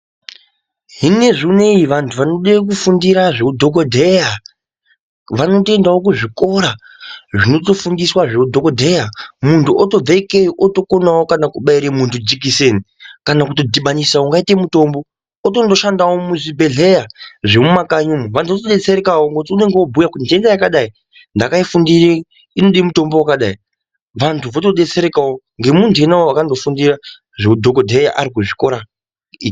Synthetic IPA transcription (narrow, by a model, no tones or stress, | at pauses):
ɦine̞ʐine̞iʋantʰuʋanoɗek̬ufundiɾaʐeudʱo̞kodʱeja | ʋano̞toendawo̞k̬uʐiko̞ɾa | ʐino̞to̞fundiswaʐeudʱo̞kodʱejamuntʰuʔoto̞b͡vaikejiʔoto̞konawokanakuɓaiɾemuntʰud͡ʒikiseni | kanakuto̞dʱiɓanisauŋɡaitemuto̞mbo̞ː | to̞ndo̞ʃandawomuzibe̞ɮe̞jaʐe̞mumakaɲumuʋantʰuʋotoɗe̞t͡se̞ɾekawoŋɡot̬iune̞ŋɡeobʱujakuindendajakaɗai | ndakaifundire | ino̞ɗimuto̞mbo̞wakaɗai | ʋantʰuʋo̞toɗe̞t͡se̞ɾekawo | ŋɡe̞muntʰuenawoakando̞fundira | ʐeudʱoko̞dʱeja̰ʔaɾikuʐiko̞ɾa | ii